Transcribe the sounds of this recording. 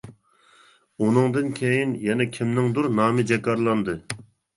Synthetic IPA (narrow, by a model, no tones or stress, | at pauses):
unɨŋd̪ɨnkʲʰejinjɛnɛkʲʰimnɪŋd̪uɾnɑːmɨd͡ʒɛkɑɾlˠɑnd̪ɨ